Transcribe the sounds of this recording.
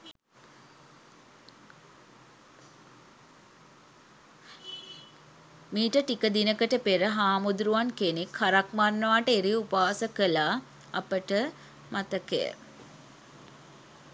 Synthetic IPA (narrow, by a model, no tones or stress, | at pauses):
miːʈəʈikəd̪inəkəʈəpeɾəɦaːmud̪ɾuʋankenekhaɾak̚marnəʋaːʈəeɾiupaːsəkəlaː | a̰pəʈə | mat̪əkḛə̰